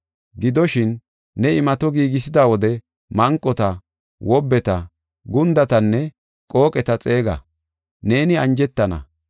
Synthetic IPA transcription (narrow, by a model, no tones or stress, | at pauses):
ɡɪd̪ɔʃɪnː | ɛɪmɐt̪ɔɡiːɡɪs̬ɪd̪aːwɔd̪ɛ | mɐŋkʼːɔt̪ɐ | wɔbːɛt̪ɐ | ɡʊnd̪ɐt̪ɐnːɛ | kʼo̞ːkʼɛt̪ɐt͡sʼe̞ːɡɐ̰ | ne̞ːnɪɐnd͡ʒɛt̪ːɐnɐ̰